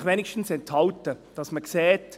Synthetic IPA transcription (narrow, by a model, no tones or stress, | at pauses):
χʋɛnɪʃtn̩sɛnthɑltəd̥ɑsməkseːt